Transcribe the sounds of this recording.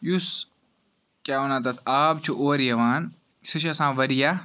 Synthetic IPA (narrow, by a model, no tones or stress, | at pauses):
jus | kjaːonaːt̪ɐt̪ʰaːb̚t͡ʃʰuʔoːɾjɐʋaːn | sɨʃɐsãːʋɐɾijaː